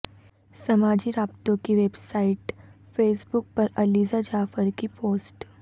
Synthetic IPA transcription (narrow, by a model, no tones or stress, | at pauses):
sɐmaːd͡ʒiɾaːbt̪õkiʋeːbsaːɪʈ | feːsbʊk̚pɐɾɐliːzad͡ʒaːfəɾkipoːsʈ